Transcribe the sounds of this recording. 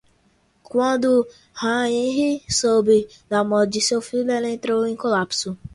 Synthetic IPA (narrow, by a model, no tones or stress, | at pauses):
kʷɔ̃dʊ | haɲiɦisobi | namɔd͡ʒisofileletɾoĩkolapsu